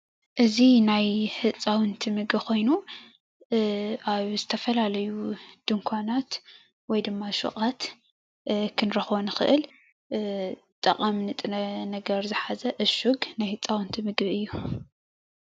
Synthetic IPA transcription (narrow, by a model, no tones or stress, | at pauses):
ʔɨzinajhɨt͡sʼːawɨnt̪ʰimɨɡbkʰo̞jnu | ʔaβzɨt̪ʰɐfɐlalɐjud̪̥ɨŋkʷʰanat̪ | wɔjd̪ɨmːaʃṵkʼat̪ | kʰɨnɾɐxβonɨxɨ̰ʔɨl | t̪ʼɐ̰qʼamnɨt̪ʼɨnɐnɐɡɐɾzɨħazɐʔɨʃuɡnajhɨt͡sʼːawɨnt̪ʰimɨɡβɨjːu